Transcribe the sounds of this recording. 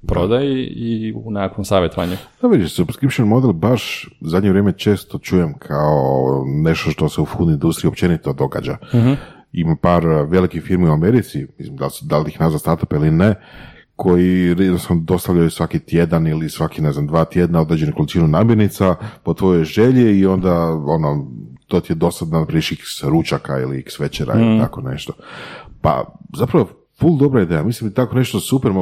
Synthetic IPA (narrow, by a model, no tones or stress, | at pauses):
dpɾod̪ajeiunakomsaːʋjet̪oʋa̰ɲud̪̥aʋid̪isubskɾipʃonmo̞d̪elˠbaʃzad̪ɲeɾjeːmet͡ʃe̞ːst̪o̞t͡ʃuːjemkʰaone̞ʃt̪o̞ʃt̪o̞seufuːnind̪ust̪ɾiopt͡ʃe̞nit̪od̪o̞ɡa̰d͡ʒa̰ | imapaːɾʋe̞likixfiɾmiuame̞ɾit̪simislimd̪alsd̪alixnazast̪aɾt̪ḁpiline | kʰo̞jiɾjed̪nost̪anod̪o̞st̪aʋʎajusʋakit̪je̞d̪anilisʋakine̞znamd̪ʋaːt̪je̞d̪nao̞d̪ɾed͡ʑeniko̞lit͡ʃinunaːmjeɾnit̪sapot̪ʋo̞jojʒeʎiio̞nd̪aonot̪ot̪ied̪o̞st̪ad̪anpɾiʃiksɾut͡ʃaka̰ḭlḭksʋet͡ʃeɾa̰ḭlitt̪a̰ko̞ne̞̰ʃt̪opa̰zapɾaʋo | fulˠd̪o̞bɾaid̪ejamislimt̪ako̞ne̞ʃt̪osupeɾmo